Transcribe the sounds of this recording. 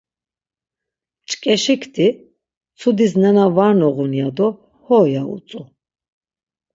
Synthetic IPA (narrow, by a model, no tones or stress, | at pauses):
t͡ʃʼkʼɛʃikʰt̪ʰi | t͡sʰud̪isnɛnavaɾnɔʁunijad̪ɔ | hɔjaṵt͡s̪ʼu